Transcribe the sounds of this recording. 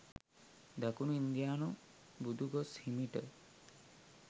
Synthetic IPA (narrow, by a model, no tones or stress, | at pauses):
d̪akunuind̪jaːnu | bud̪ʱuɡoshimiʈə